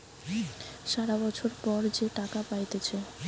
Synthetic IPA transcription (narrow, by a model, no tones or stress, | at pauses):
ʃaɾabɔt͡ɕʰoɾpɔɾd͡ʑeʈakapajt̪et͡ɕʰe